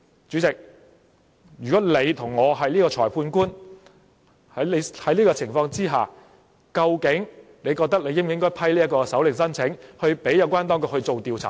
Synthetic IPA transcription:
t͡ʃyː˨˥t͡sɪ˨k̚ | jyː˨˩kɔː˨˥le˨˧jt̪ʰʊ˨˩ŋːɔː˨˧ɦɐ˨jliː˥kɔː˧t͡sʰɔː˨˩jpʰuː˧nkuː˥n | hɐ˨˥e˨˧hɐ˨˥jliː˥kɔː˧t͡sʰɪ˨˩ŋfɔː˧ŋt͡siː˥ɦaː˨ | kɐ˧wkɪ˨˥ŋne˨˧jkɔː˧k̚t̪ɐ˥k̚le˨˧jɪ˥m˨ɪ˥ŋkɔː˥jpʰɐ˥jliː˥ɐ˥kɔː˧kɛ˧sɐ˨˥wlɪ˨˩ŋsɐ˥nt͡sʰɪ˨˥ŋhɵ˧ɥpe˨˥jɐ˨˧wkʷaː˥nt̪ɔː˥ŋkʊ˨k̚hɵ˧t͡so˨wt̪iː˨wt͡sʰa̰ː˨

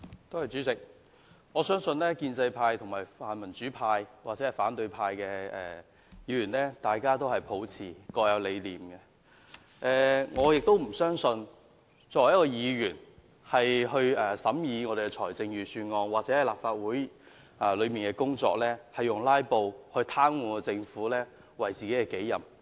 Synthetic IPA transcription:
t̪o˥whɐ˨jt͡syː˨˥t͡sɪ˨k̚ | ŋɔː˨˧sœː˥ŋsɵ˧nlɛː˥kiː˧nt͡sɐ˧jpʰaː˧jt̪ʰʊ˨˩ŋmaː˨˩jfaː˨nmɐ˨˩nt͡ʃyː˨˥pʰaː˧jwaː˨k̚t͡sɛ˨˦hɐ˨˩jfaː˨˥nt̪ɵ˧ɥpʰaː˧jkɛː˧ɛ̰ː˨ | jiː˨˧jyː˨˩nlɛː˥t̪aː˨jkaː˥t̪̬o˥whɐ˨jpʰo˨˥wt͡sʰiː˨˩kɔː˧jɐ˨˧wle˨˧jliː˨mɡɛ˧ | ʔɛː˧ŋɔː˨˧jɪ˨k̚t̪o˥wm̩˨˩sœː˥ŋsɵ˧n | t͡ʃɔː˨˩jɐ˥tkːɔː˧jiː˨˧jyː˨˩n | hɐ˨jɦɵ˧ɥɛː˨sɐ˨˥mjiː˨˧ŋɔː˨˧d̪e˨kɛ˧t͡ʃʰɔː˨˩jt͡sɪ˧ŋjyː˨˩syː˧nŋɔː˧ŋwaː˨k̚t͡sɛː˨˥hɐ˨˩jlaː˨p̚faː˧t̚wuː˨˥j | ɛː˨lɵ˨˧ɥmiː˨nkɛː˧kʊ˥ŋt͡sɔ̰ː˧˥k̚lɛː˥hɐ˨jːʊ˨˩ŋlaː˥jpo˧whɵ˧ɥt̪ʰaː˥ŋwuː˨˧kɔ˧t͡sɪ˧ŋfuː˨˥lɛː˥ | wɐ˨jt͡siː˨ke˨˦˥kɛː˧ke˨˥jjɐ˨m

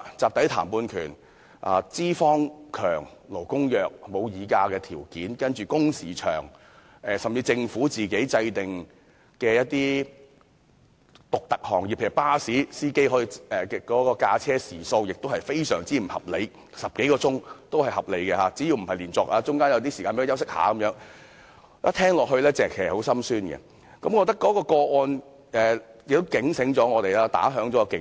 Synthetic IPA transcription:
t͡saː˨p̚t̪ɐ˨˥jt̪ʰaː˨˩mpuː˧nkʰyː˨˩n | ʔa̰ː˨t͡siː˥fɔː˥ŋkʰœː˨˩ŋlo˨˩wkʊ˥ŋjœː˨k̚mo˨˧wjiː˨˧kaː˧kɛː˧t̪ʰiː˨˩wkiː˨˥nkɐ˥nt͡ʃyː˨kʊ˥ŋsiː˨˩t͡ʃʰœ̰ː˨˩ŋ | ɛː˨˧sɐ˨mt͡siː˧t͡sɪ˧ŋfuː˨˥t͡siː˨ke˨˥jt͡sɐ˧jt̪ɪ˨˩ŋ | kɛː˧jɐ˥t̚t̪iː˥ | t̪ʊ˨k̚t̪ɐ˨˩k̚hɔː˨˩ŋjiː˨pʰːpaː˥siː˨˥siː˥ke˥jɦɔː˨˥ji˧ɛː˨ɛ˨kɔː˨˥kɔː˧kaː˧t͡sʰɛː˥siː˨˩so˧wjɪ˨k̚t̪o˥hɐ˨jfe˥jsœː˨˩ŋt͡siː˨˥m̩˨˩hɐ̰˨p̚le˨˧j | sɐ˨p̚ke˨˥jkɔː˧t͡sʊ˥ŋt̪o˥whɐ˨jhɐ˨p̚le˨˧jkɛ˧ɦaː˨˧t͡siː˨˥ji˧wm̩˨˩hɐ˨jliː˨˩nt͡sɔː˨k̚ʔaː˧t͡sʊ˥ŋkaː˥njɐ˨˧wt̪iː˥si˨aː˧pːjɐ˥wsɪ˥k̚ha̰ː˨˧˥kɐ˨˦mjœː˨˥ŋ | ɐ˥t̪ʰɛː˥ŋlɔː˨k̚ɦɵ˧lɛː˥t͡sɛː˨kʰːho˨˥wsɐ˥msyː˥nɡɛ̰˧ | kɐ˨˦mkɔː˨˧t̪ɐ˥kːɔː˨˥kɔː˧kɔː˧ʔɔː˧n | ɛː˨jɪ˨k̚t̪o˥wkɪ˨˥ŋsɪ˨˥ŋt͡sɔː˨˥ŋɔː˨˧t̪e˨jlaː˥t̪a̰ː˨˥ɦœː˨˥ŋt͡sɔ˨˦kɔː˧kɪ˨

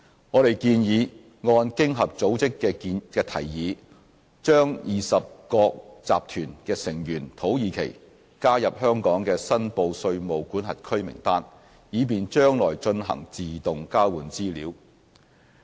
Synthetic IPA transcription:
ŋɔː˨˧ɾe˨jkiː˧njiː˨˧ | ŋɔː˧nkɪ˥ŋɦɐ˨p̚t͡so˨˥wt͡sɪ˥kːɛː˧kiː˨˧nkɛː˧t̪ʰɐ˨˩jjiː˨˧ | t͡ʃœː˥ŋjiː˨sɐ˨p̚kɔː˧k̚t͡sa̰ː˨p̚t̪ʰyː˨˩nkɛː˧sɪ˨˩ŋjyː˨˩nt̪ʰo˨˥wjiː˨˧kʰḛ˨˩j | kaː˥jɐ˨p̚hœː˥ŋkɔː˨˥ŋkɛː˧sɐ˥npo˧wsɵ˧ɥmo˨wkuː˨˥nɦɐ˨t̚kʰɵ˥ɥmɪ̰˨˩ŋt̪aː˥n | jiː˨˧p̬iː˨nt͡ʃœː˥ŋlɔ̰ː˨˩jt͡ʃɵ˧nɦɐ̰˨˩ŋt͡siː˨t̪ʊ˨ŋkaː˥wuː˨˩nt͡siː˥liː˨˥w

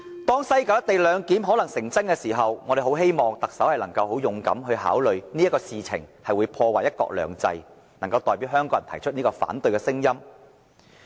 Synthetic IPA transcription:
t̪ɔː˥ŋsɐ˥jkaː˨˧wjɐ˥t̪e˨jlœː˨˧ŋkiː˨˥mɦɔː˨˥lɐ˨˩ŋsɪ˨˩ŋt͡sɐ˥ŋkɛ˧siː˨˩ɦɐ˨wŋɔː˨˧ɾe˨jho˨˥wɦe˥jmɔː˨ŋt̪ɐ˨k̚sɐ˨˥whɐ˨jlɐ˨˩ŋkɐ˧who˨˥wjʊ˨˧ŋkɐ̰˨˥mɦɵ˧ɥɦa̰ː˨˥wlɵ˨ɥniː˥jɐ˥kɔː˧siː˨t͡sʰɪ̰˨˩ŋhɐ˨jwuː˨˧jpʰɔː˧waː˨jɐ˥t̚kɔ̰ː˧k̚lœ̰ː˨˩ŋt͡sɐ̰˧j | nɐ˨˩ŋkɐ˧wt̪ɔː˨jpiː˨˥wɦœː˥ŋkɔː˧˥jɐ˨˩t̪ʰɐ˨˩jt͡ʃʰɵ˥t̚niː˥kɔː˧fa̰ː˨˥nt̪ɵ˧ɥkɛ˧sɪ˥ŋjɐ˥m

